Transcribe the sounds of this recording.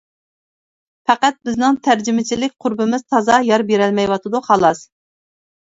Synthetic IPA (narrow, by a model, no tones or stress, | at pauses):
fæqæt̪̚bɪznɪŋt̪ʰæɾd͡ʒɪmɪt͡ʃʰilɪk̚ʲqʰʊɾbɨmɪz̥t̪ʰɑzɑjɑɾbeɾɛlmɛjwɑt̪ʰɨd̪uhɑlˠɑs